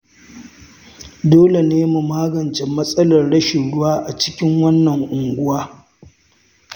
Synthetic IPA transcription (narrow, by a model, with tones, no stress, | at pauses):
doː˦le˨neː˦mu˨maː˦ɡɐ˨nt͡ʃɛ˨mːɐ˦sʼɐ˦lɐ˨rɽɐ˦ʃe˨ɽʊ˦waː˦ʔa˨t͡ʃɪ̥˦kʲɪ˦ŋwɐ˦nːɐ˨ŋʔʊ˨ŋɡʷʊ˦waː˦